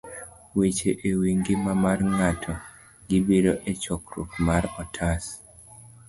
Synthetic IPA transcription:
wet͡ʃeʔewiŋɡɪmamarŋatʰɔ | ɡɪbiɾoʔet͡ʃɔkɾṵkmaɾɔtʰas

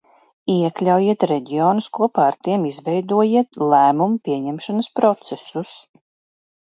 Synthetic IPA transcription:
iɛklʲawjiɛt̪ɾɛɟioːnuskuɔpaːɾt̪iɛmizvɛjd̪uɔjiɛt̪lˠæːmumupʲiɛɲɛmʃanɐspɾɔt̪sɛsus

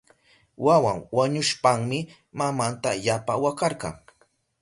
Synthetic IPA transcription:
wawaŋwaɲʊʃpaŋmɪ | mamant̪aʎapawakɑɾqɑ̰ŋ

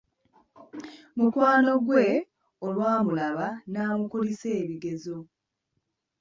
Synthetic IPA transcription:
mukwaːno̞ɡwe̞ | olwaːmulaβanaːmukulise̞ːβiɡe̞zo

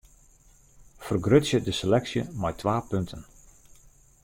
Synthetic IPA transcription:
fərɡrøtsjədəselɛksjə̰mɛjtʰʋaːpøntʰən

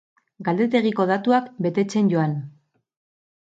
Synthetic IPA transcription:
ɡald̪e̞t̪e̞ɣ̞iko̞ð̞at̪uakbe̞t̪e̞t͡se̞nɟo̞an

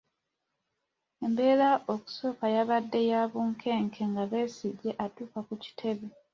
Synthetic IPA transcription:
e̞mbe̞ːlaʔo̞ku̥so̞kajaβadːe̞jaβuːŋkʰe̞ːŋkʰe̞ŋɡaβe̞ːsiɟːe̞ʔatuːkakuci̥tʰe̞βe

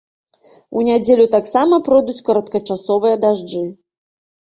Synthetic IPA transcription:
unʲad͡zʲelʲut̪aksamɐpɾɔd̪ut͡sʲkɐɾɐt̪kɐt͡ʂasɔvɨjɐd̪aʐd͡ʐɨ

